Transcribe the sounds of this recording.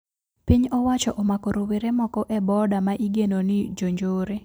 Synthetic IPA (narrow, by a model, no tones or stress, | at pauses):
piɲɔwat͡ʃɔʔɔmakoɾoweɾemɔkɔʔɛbɔdamaʔiɡenonɪd͡ʒoɲd͡ʒoːɾe